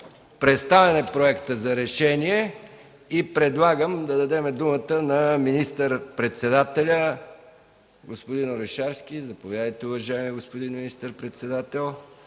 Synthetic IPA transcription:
pɾɛt̪st̪avɛnɛpɾoɛkt̪əzɐɾɛʃɛniɛ | ipɾɛd̪lˠaɡəmd̪ɐd̪ɐd̪ɛmɛd̪umət̪ənɐminist̪əɾpɾɛt̪sɛd̪at̪ɛlʲə | ɡospod̪inoɾɛʃaɾsk̟ʲizɐpovʲjad̪əjt̪ɛʊvɐʒaɛmiɡospod̪inminist̪əɾpɾɛt̪sɛd̪at̪ɛlˠ

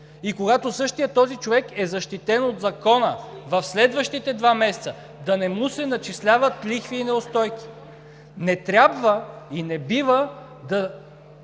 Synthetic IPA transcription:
ikoɡat̪osɤʃt̪ijət̪ːɔzit͡ʃovɛkɛzɐʃt̪it̪ɛnod̪zɐkɔnəvɐfslɛd̪vəʃt̪it̪ɛd̪vamɛsɛt̪sə | d̪ɐnɛmusɛnɐt͡ʃislʲavət̪lixviːnɛost̪ɔjki̥ | nɛt̪ɾʲabvəinɛbivə | d̪ɐ

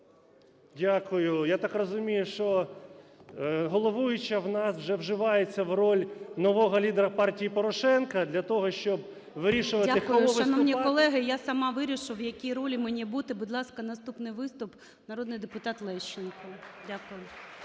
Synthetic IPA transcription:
dʲakʊjʊjat̪ɑkrɔzʊmʲijʊʃt͡ʃɔ | ɦɔlˠɔʋujʊt͡ʃɐwnɑswʒɛwʒɪʋɑjet͡sʲːɐwrɔlʲnɔʋɔɦɔlʲid̪eɾɐpɑrtʲijipɔɾɔʃɛnkɐd̪lʲɐt̪ɔɦɔʃt͡ʃɔb | ʋɪɾʲiʃʊʋɐtʲaɪxʊʃʋɐnɔmnʲikɔlˠɛɦɪjasɐmɑʋɪɾʲiʃɪwjɐkʲiɾɔlʲimenʲibut̪ɪbʊd̪lˠɑskɐnɐst̪upnɪjʋɪst̪ʊp | nɐɾɔd̪nɪjd̪epʊt̪ɑt̪lˠɛʃt͡ʃːɪnkɔdʲakʊjʊ

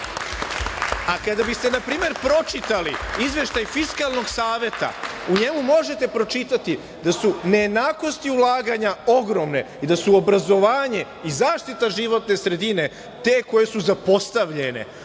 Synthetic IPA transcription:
akad̪abist̪e̞napɾiːme̞ɾpɾo̞t͡ʃit̪aliizʋe̞ʃt̪ajfiskalˠno̞ɡsaːʋje̞t̪a̰uɲe̞mumo̞ʒe̞t̪e̞pɾo̞t͡ʃit̪at̪i | d̪asunejed̪naːko̞st̪iulˠaːɡaɲao̞ɡɾo̞mne̞ | id̪asuo̞bɾazo̞ʋaːɲe̞ | izaːʃt̪it̪aʒiʋo̞t̪ne̞sɾe̞d̪ine̞ | t̪eːko̞je̞suzapo̞st̪aʋʎe̞ne̞̰

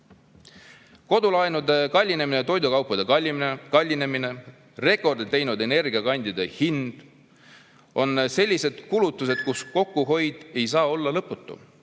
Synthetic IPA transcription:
ko̞d̪ulɑjnud̪e̞kɑlʲːine̞minet̪o̞jd̪ukɑwpːɑd̪e̞kɑlʲːiminekɑlʲːine̞mine̞ | re̞kˑo̞rd̪̥it̪ːe̞jnud̪e̞ne̞rɡ̥iɑkɑnd̪̥ʲid̪̥e̞hind̪̥ | o̞nse̞lʲːise̞d̪̥kulut̪ːˑus̬e̞d̪̥̚kusko̞kːˑuɦo̞jd̪̥e̞jsɑːo̞lːɑlɤpːˑut̪ːˑṵ

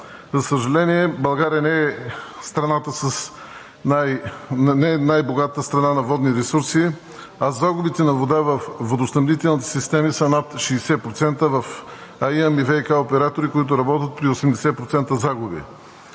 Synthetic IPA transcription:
zɐsəʒɐlɛniɛbɐlˠɡaɾijənɛɛst̪ɾɐnat̪əsəs | najnɛnajboɡat̪əst̪ɾɐnanɐvɔd̪niɾɛsuɾsi | ɐzaɡʊbit̪ɛnɐvod̪avɐfvːod̪osnɐmnit̪ɛlˠnit̪ɛ̥sist̪ɛmisənat̪ʃiːsɛpɾot̪sɛnt̪əvɐfajɛmivɛikaopɛɾat̪oɾikoit̪̬ʊɾɐbɔt̪ət̪̚pɾiosɛmd̪ɛsɛpɾot̪sɛnt̪əzaɡʊbḭ

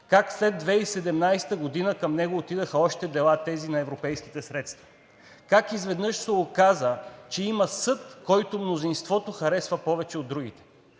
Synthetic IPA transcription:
kakslɛd̪̚ːvɛisɛd̪ɛmnajsɛ̥t̪əɡod̪inəkɐmnɛɡoːt̪id̪əxəɔʃt̪ɛd̪ɛlˠat̪ɛzinɐɛvɾopɛjsk̟i̥t̪ɛsɾɛt̪st̪vɐ̥ | kakizvɛd̪nɤʃsɛokazət͡ʃɛimɐsɤt̪kɔjt̪omnozinst̪vɔt̪oxɐɾɛsvɐpɔvɛt͡ʃɛod̪ːɾuɡ̟it̪ɛ̥

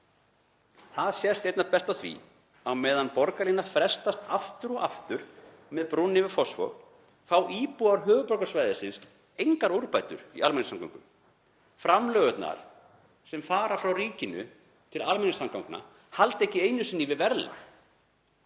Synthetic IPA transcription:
θaðsjɛst̪ejt̪napɛst̪aθvḭ | awmɛːðanpɔɾkalinafɾɛst̪ast̪aft̪ʏɾɔaft̪ʏɾ | mɛðpɾunːɪvɪfɔsfɔ̰ɣ | fawʔiːpuaɾɦœːɣʏpɔɾkḁsvajðɪsɪns | ejŋkaɾuɾpajt̪ʏ̰ɾḭʔalmɛnɪsamka̰wŋkʏm | fɾamlœːɣʏt̪na̰ɾ̥ | sɛmfaːɾafɾawɾiːcɪnʏ̰ | t̪ʰɪlalmɪnɪsamkawŋkna̰ | halt̪ehcɪejnʏsɪnːɪvɪvɛɾla̰

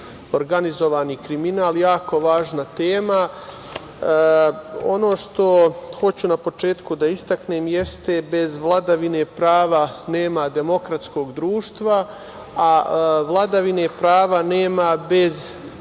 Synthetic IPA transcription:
oɾɡanizo̞ʋaːnikɾiminaːljaːko̞ʋaːʒnat̪eːma | o̞no̞ːʃt̪o̞xo̞t͡ɕunapo̞t͡ʃe̞ːt̪kud̪aist̪akneːmjest̪e̞be̞zʋlˠad̪aʋine̞pɾaːʋane̞ːmad̪e̞mo̞kɾat̪sko̞ːɡd̪ɾuːʃt̪ʋa | aʋlˠad̪aʋine̞pɾaːʋaneːmabe̞z

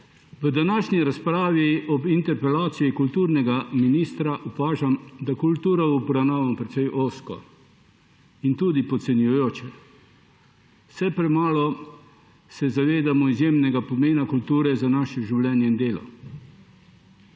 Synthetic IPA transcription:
ʋəd̪anaːʃɲiɾaspɾaːʋiɔbint̪ɛɾpɛlaːt̪sijikult̪uːɾnɛɡaminiːst̪ɾaʔupaːʒamd̪akult̪uːɾaubɾawnaːʋamɔpɾɛt̪sɛjʔoːskɔ̰ | int̪uːd̪ipɔt̪sɛnjujoːt͡ʃɛ | wsɛpɾɛmaːlɔ | sɛzaʋeːd̪amɔizjeːmnɛɡapɔmeːnakult̪uːɾɛzanaːʃɛʒiwlʲɛːnjɛind̪eːlɔ̰

